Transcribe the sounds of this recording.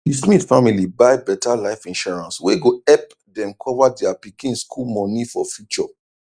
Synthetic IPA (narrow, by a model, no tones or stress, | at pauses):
dismitfamilibaɪbɛtalaɪfĩnʃɔɹãnsweɡoɛp̚ | dɛ̃mkʰɔvadɛapikĩnskʰulmɔ̃nifɔfjut͡ʃɔ